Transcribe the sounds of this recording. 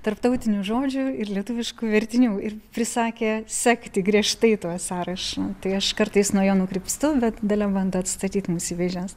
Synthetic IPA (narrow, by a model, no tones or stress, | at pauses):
t̪ɐrpt̪ɐʊt̪ʲɪnʲuːʒoːd͡ʒʲʊɪrlʲiɛt̪uːʋʲɪʃkuːʋʲɛɾʲt̪ʲɪnʲuːɪrpʲɾʲɪsɑːkʲeːsʲæːkt̪ʲɪɡɾʲiɛʃt̪ɐɪt̪uɔsɑːɾɐʃoːt̪ɐɪɐʃkɐrt̪ɐɪsnuɔjoːnʊkɾʲɪpst̪ʊbʲɛt̪d̪ɐlʲɛbɐnd̪ʊɐt̪st̪ɐt̪ʲiːt̪muːsiːʋʲɛʒʲɛs